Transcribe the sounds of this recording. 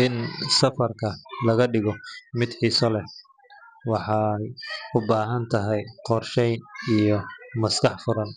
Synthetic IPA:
ʔɪnsɐfɐrkʰɐlɐɣɐɖɪɣɔmɪd̪ħiːsɔlɛ | wɑħɑjʊbaːɦɐnt̪ʰɐɦɛjqɔrʃɛjnijɔmɐskʰɑħfʊɾɐn

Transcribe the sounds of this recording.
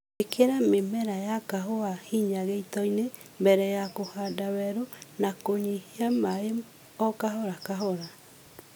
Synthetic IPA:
ekʰeɾamemɛɾajakaɦoahiɲaɣeitɔine | mbɛɾɛjakohadawɛɾonakoɲehiamae | ɔkaɦɔɾakaɦɔɾa

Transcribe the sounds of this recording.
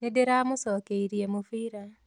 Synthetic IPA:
nedeɾamusɔkeiɾiemufiːɾa

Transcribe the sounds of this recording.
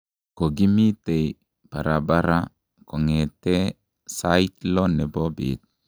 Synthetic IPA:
koɡimit̪ej | paɾabaɾa | kɔŋet̪e | sait̪lɔnɛbobḭt̪̚

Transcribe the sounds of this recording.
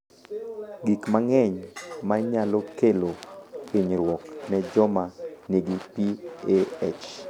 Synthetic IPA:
ɡikmaŋɛɲmaɲalɔkelokeɲɾwɔknɛd͡ʒɔmaneɡipieet͡ʃ

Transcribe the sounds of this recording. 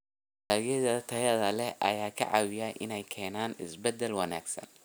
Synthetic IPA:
aːɣɐðɐt̪ʰɐjɐðɐlɛʔɐ̰jaːkʰɐ̰ʕɑ̰ːwɪjaʔɪnɛjkʰɛːnaːnɪsbɛd̪ɛlwɐna̰ːɡsɐ̰n

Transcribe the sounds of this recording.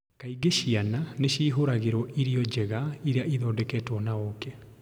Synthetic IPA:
kaiɡeɕiananeɕiːɦoɾaɣeɾɔʔiɾiɔd͡ʑɛɣaiɾeaʔiðɔːdɛkɛːtwɔnaokɛ

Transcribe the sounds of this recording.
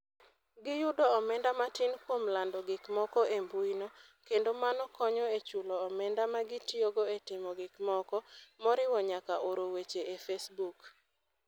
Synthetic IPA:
ɡɪjʊdɔɔmɛndamatɪnkwomlandɔɡɪkmɔkɔembuinɔ | kendomanɔkɔɲɔet͡ʃulɔːmɛndamaɡɪtioɡoetɪmɔɡɪkmɔkɔmɔɾɪwɔɲakaʔoɾowet͡ʃeefesbuk

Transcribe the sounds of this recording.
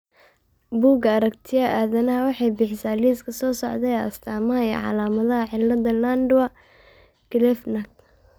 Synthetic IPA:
buːɡɐɐɾɐkt̪ʰɪjɐʔaːðɐnɐɦɐwɑħɑjbɪħɪsaːliːskʰɐsɔːsɔʕd̪ɛɛɐst̪ʰaːmɐɦɐɛ̰ʕɑ̰laːmɐðɐɦɐʕɪlːɐd̪ɐlandʊwɐ | ɡ̥ɪlɛfnɐk̚

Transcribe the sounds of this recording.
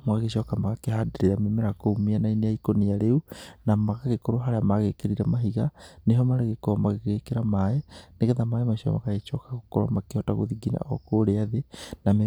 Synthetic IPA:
mɣaɣeʃɔkamaɣakehadeɾiɾamemeɾakoumianaineaikoniaɾeunamaɣaɣekoɾoɦaɾeamaɣekeɾiɾamaɦiɣaneɦɔmaɾeɣekomaɣeɣekeɾamaeneɣɛðamaemaʃiɔ̰ma̰kaɣet͡ʃɔkaɣokoɾa̰makehɔta̰ɣo̰ðiɡina̰ɔ̰koɾeaðename

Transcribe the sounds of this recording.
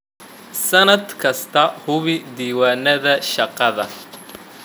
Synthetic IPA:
sɐnɐd̪kʰɐst̪ʰɐhʊβɪd̪iːwaːnɐðɐʃɑqɑðɐ̰

